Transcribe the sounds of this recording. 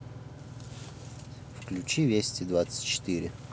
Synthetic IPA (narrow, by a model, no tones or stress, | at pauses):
fklʲʉt͡ɕivʲesʲt̪ʲɪd̪vat̪sə̥tʲt͡ɕɪ̥t̪iɾʲɪ